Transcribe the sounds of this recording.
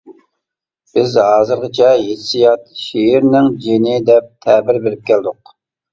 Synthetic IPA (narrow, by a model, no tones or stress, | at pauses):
b̥ɪzɦɑːzɨɾʁət͡ʃʰɛjet̪ʰsijɑt̪ʃeɪɾnɪŋd͡ʒenɪd̪ɛp̚t̪ʰɛbɪɾbeɾɪp̚kʲæld̪ʊq̚